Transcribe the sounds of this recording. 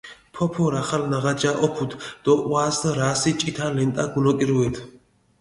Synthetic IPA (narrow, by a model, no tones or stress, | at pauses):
pʰɔpʰɔɾaχalnaʁad͡ʒaʔɔpʰut̪ʰd̪̥ɔʔwaːsɾaːsit͡ʃʼit̪ʰalɛnt̪ʼaɡulɔkʼiɾuɛt̪ʰ